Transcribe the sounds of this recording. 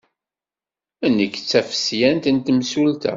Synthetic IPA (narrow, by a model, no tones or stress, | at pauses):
ænːəkːt͡sːæfə̥sjænt̪ənt̪əmsult̪æ̰